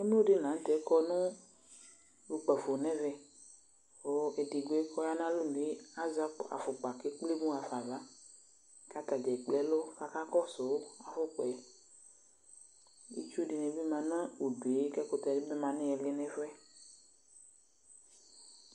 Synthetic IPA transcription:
e˦mẽ˦o˦ɖe˦nã˨n˦t̪ɛ˨˦kɔ˦nũ˦ | lo˨k͡pɛ˨fo˨nɛ̃˦vɛ˨ | wo˨˦e˨di˨ɡo˨˦e˦kɔ˦ja˦nã˦lo˦lũ˨e˦a˦za˦pa̰˨fo˨k͡pa˨ke˦k͡ple˦bũ˦a˨fa˨va˦ | ka˦t̪a˨d͡ʒɛ˨k͡plɛ˦lo˦ka˨ka˦kɔ˦so˨wa˨fo˦k͡pɔ˨ɛ˨˦ | ḛ˦t͡ʃu˦ɖe˨nẽ˨be˦mã˨nɔ̃˦wo˨du˨e˦kɛ˦ko˨t̪ɛ˨de˦be˦mã˨nɛ̃˦ɛ˨le˦nɛ̃˦fɛ˦

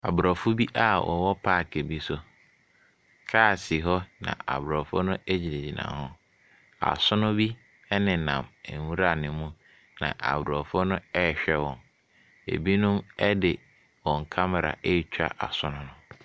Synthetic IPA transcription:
a˨bɾɔ˨fʊ˦bi˦ʔa˦wɔ̰˨wɔ˦pʰaː˦˨kʰe˨bi˦sʊ˦ | kʰaː˦˨sɪ˨ɦɔ˦nã̰˨a̰˨bɾɔ˨fʊ˦nʊ̃˦æ˦d͡ʑi˨ɾe˨d͡ʑi˨nã̰˨hʊ̃˦ | a̰˨sʊ˦nʊ̃˦bi˦ | ɛ˦nɪ̃˨nã˨mɛ˨wũ˦ɾa˦˨nɪ̃˨mũ˦ | nã̰˨ʔa˨bɾɔ˨fʊ˦nʊ̃˦ɛ˦˨ɕᶣɛ˦wɔ̃˨n | ḛ˨bi˦nʊ̃˦mɛ˦dɪ˨ | wɔ̃˨ŋ˨kʰa˦m˨ɾa̰˨ʔe˦˨t͡ɕᶣa̰˨ʔa̰˨sʊ˦nʊ̃˦nʊ̃˦˨

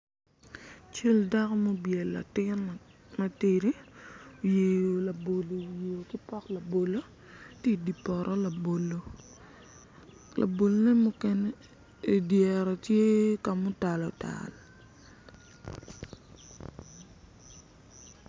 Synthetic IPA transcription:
t͡ʃe˦lda˦kɔ˦mo˦bjɛ˨lːa̰˨tɪ˦nma˦ti˨ɾi˦o˨je˨jo˨la˨bo˨lo˨je˨o˨ki˦pɔ˦kla˨bo˨lo˦ | ti˦di˨pɔ˨ɾʔɔ˦la˨bo˨lo˨ | la̰˨bo˨lne˦mʊ˦kɛ˦nɛ˦ | e˨djɛ˨ɾɔ˨tje˦ka˨mʊ˦ta˨lɔ˨ta̰˨l

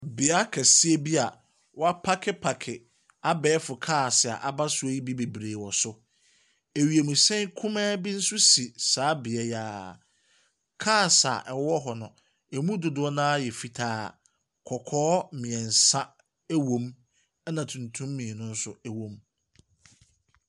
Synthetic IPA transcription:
bɪ˨a˦kʰɛ˨si˦e˦bi˦a˨ | wɔ˦a˦pʰa˦kʰɪ˦pʰa˨kʰɪ˨ | a˦bɛː˦fʊ˨kʰaː˦˨sɪ˨a̰˨ʔa˨ba˦sʊ˦e˦ji˦bi˦be˨bɾeː˨wɔ˨sʊ˦ | e˨ɥi˨e˨mũ˨sɛ̃˦ŋkʰʊ̃˦mɛ̃ː˦bi˦n̩˦sʊ˦si˨saː˨˦bɪ˨ɛ˦jaː˨˦ | kʰaː˦˨sa̰˨ʔɛ˨wɔ˦ɦɔ˨nʊ̰̃˨ | ɛ˨mũ˦dʊ˨dʊ˦ɔ˦nãː˦jɛ˨fi˨tʰaː˦ | kʰɔ˨kʰɔː˦mĩ˨ɛ̃˨n˨sa˦ | æ˦wõ˦m | ɛ˦nã˨tʰũ˨ntʰũ˦mːĩ˨nʊ̃˦n̩˦sʊ˦ɛ˨wõ˦m

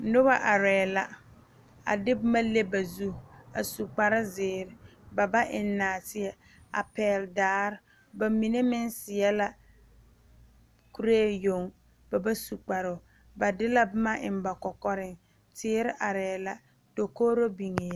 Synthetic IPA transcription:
nʊ˦ba˦ʔa˨ɾɛː˨la˨ | a̰˨dɪ˦bʊ˦ma˦le˦ba˨zu˦˨a˨su˨k͡pa˨ɾa˦zɪː˨ɾɪ˦ba˨ba˦ʔɪ˨nːaː˨tɪ˦ɛ˦ | a̰˨pɛː˨ldaː˨˦ɾ | ba˨mi˨ne˦mɪ˦n˦sɪ˨ɛ˦la˨ | ku˦ɾe˦˨jo˨ŋ | b̥a˨ba˦su˨k͡pa˨ɾʊ˨ | ba˨dɪ˦la˦bʊ˦ma˦ʔɪ˨m˨ba˨kɔ˨kɔ˦ɾɪ˨ŋ | tɪː˦ɾɪ˦ʔa˨ɾɛː˨la˨ | do˨koː˦ɾo˦bi˨ŋe˨˦

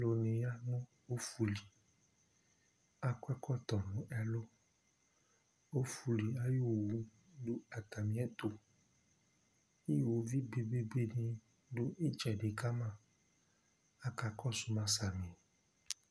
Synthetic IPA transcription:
lo˧nĩ˨ja˦nɔ̃˦ | o˦fu˨li˨ | a˧kwɛ˦kɔ˦˨t̪ɔ˨nũ˨˦ɛ˧lo˦ | o˦fu˨li˨a˦jo˦˨wu˨˦ | du˦a˨ta˨mĩ˨˦ɛ˦t̪o˨ | i˦˨wo˨˦vi˦be˧be˦be˦nĩ˧ | do˦i˦t͡ʃɛ˨de˨˦ka˦mã˦˨ | a˧ka˧kɔ˦˨su˨˧mã˧sa˨mĩ˨

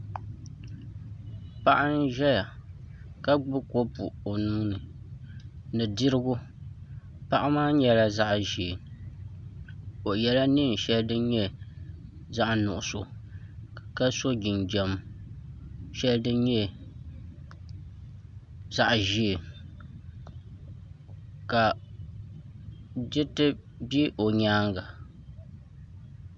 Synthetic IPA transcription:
pa˦ʔa˦n˦ʒɛ˦ja˨ | ka˦ɡ͡bɨ˦ko˦pṵ˨o˨nuː˦nɨ˨ | nɨ˨di˦ɾɨ˦ɡʊ˦ | pa˦ʔa˦maː˦ɲɛ˨la˦za˦ʔʒi˨e˨ | o˨ʔjɛ˦la˦ni˦˨n˨ʃɛ˦ldɨ˦ɲɛ˦ | za˦ʔnʊ˨ʔʊ˨so˨ | ka˦so˦ɡi˨nd͡ʒɛ˨m | ʃɛ˦ldɨ˦ɲɛ˦ | za˦˨ʔʒi˦e˨ | ka˨ | d͡ʒɪ˦tɨ˦ | bi˦ʔo˨ɲaː˦ŋɡa˨

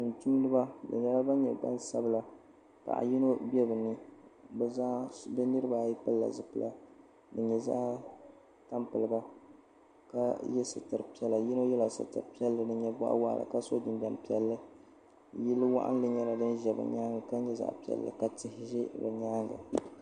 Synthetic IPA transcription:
ɨ˨n˨tu˦m˦dɨ˦ba˦bɨ̰˨ɲɛ˦la˦ba˦ɲɛ˨ɡ͡ba̰˦nsa˦bɨ˨la˨ | pa̰˨ʔa̰˨ji˦no˦bɛ˦bɨ˨nɨ˦bza˦bɨ˦nɨ˦ɾɨ˦ba˨ji˦pɨ˦lːa̰˨zɨ˨pɨ˦la˦ | dɨ˨ɲɛ˨za̰˦ʔ | ta˦mpɨ˨lɨ˨ba˦ | ka˦jɛ˦sɨ˨tɨ˨ɾpi˦ɛ˦la˨ji˦no˦jɛ˦la˨sɨ̰˨tɨ̰˨pi˦ɛ˦lːɨ˨dɨ˨ɲɛ˦ba̰˦ʔa̰˦wa̰˦ʔla̰˨ka˦so˦dɨ˨nda˨mpi˨˦ɛ˨lːɨ˦ | ji˦lːɨ˦wa̰˦ʔa̰˦n˦lɨ˦ɲɛ˦la˨dɨ˦nʒɛ˨bɨ̰˨ɲaː˦ŋɡa˨ka˦ɲɛ˦za̰˨ʔpi˨ɛ̰˨lːɨ̰˨ka˨tɪ˨hɪ˦ʒɛ˦bɛ˨ɲaː˦ŋɡɨ̰˨

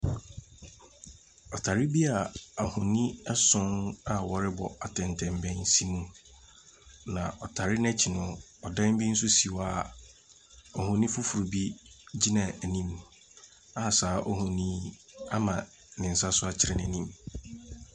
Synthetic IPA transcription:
ɔ˨tʰa˨ɾɪ˦bi˦a˨a˨hʊ̃˨nĩ˦ɛ˦sʊ̃˦na˨wɔ˨ɾɪ˦bɔ˨a˨tʰɛ̃˨n˨tʰɛ̃˨mbɛ̃˦nsi˦mũ˦ | nã˨ʔɔ˨tʰa˨ɾɪ˦n˦ɛ˦t͡ɕʰi˨nʊ̃˦ | ɔ˨dã˦bi˦n̩˦sʊ˦si˨wa˦˨ | ɔ˨hʊ̃˨nĩ˦fʊ˦fu˨ɾu˨bi˦d͡ʑi˦nã˨æ˨nĩ˦m | a˦˨saː˨˦ʔɔ˦ɦʊ̃˨nĩ˦ | a˦mã˨ | nɪ̃˨n̩˨sa˦sʊ˦a˨t͡ɕʰɪ˨ɾɛ˨nɛ̃˨nĩ˦m

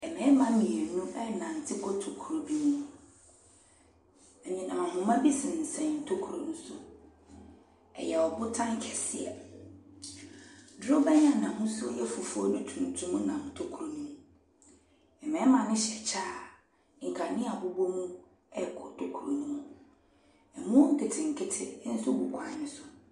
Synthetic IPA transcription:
ɛ˨mɛ̃˨˦mã˦mĩ˨e˨nũ˦ɛ˦˨nã˨n̩˨tʰɪ˦kʰɔ˦tʰo˨kʰu˨ɾo˨bi˦nũ˦ | ɛ˨ɲĩ˨nã˨ɦʊ̃˨mã˦bi˦sɪ̃˨n̩˨sɛ̃˨n˨n̩˨tʰo˦kʰu˨ɾo˨n̩˦sʊ̰˦ | ɛ̰˨jɛ˨ɔ˨bʊ˦tʰã˦ŋ˦kʰɛ˨sɪ˦ɛ̰˨ | dɾʊ˦bɛ˦ɲ˦ã˦˨nã˨ɦʊ̃˦sʊ˦jɛ˦fu˨fu˦ɔ˦nʊ̃˦tʰũ˨tʰũ˦mũ˦nã˨hʊ̃˨tʰo˦kʰu˨ɾu˨nũ˦m˨ | ɛ˨mɛ̃˨˦mã˨nɪ̃˦ɕɛ˨t͡ɕʰaː˦˨ | ŋ̩˨kʰa˨nɪ̃˦a˨bʊ˨bo˦mũ˦ | ɛ˦kʰʊ˨tʰo˨kʰu˨ɾu˨nũ˦ɔ̃˦ | ɛ˨mũ˦ŋ̩˨kʰɪ˦tʰɪ˨ŋ̩˨kʰɪ˦tʰɪ˦n̩˦sʊ˦bu˨kʰʷa˨˦ɪ̃˦sʊ˨

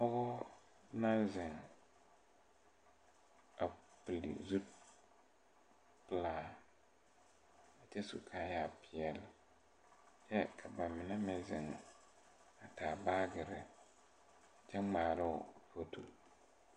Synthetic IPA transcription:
ɔ˦ɡɔ˦ | nã˦nzɪ˨ŋ | a˨plḭ˨zu˦t | pɪ˨laː˨ | a˨t͡ʃɛ˦su˨kʰa˨˦jaː˨pʰɪ˨ɛ˨lɪ˨ | t͡ʃɛ˦kʰa˨ba˨mɪ˨na˦mɪ˦zɪ˨ŋ˨ | a˨taː˨baː˦ɡɪ˨ɾɪ˨ | t͡ʃɛ˦ŋ͡maː˨ɾɪ˦ʊ˨fo˦tʰo̰˨

